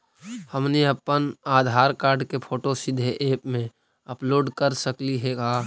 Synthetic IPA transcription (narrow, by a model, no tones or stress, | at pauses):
həmniəpːənaːd̪ʱaːɾkaːɾɖkepʰoːʈosɪd̪ʱeʔeːpmẽ | əploːɖkəɾsəkliɦɛkaː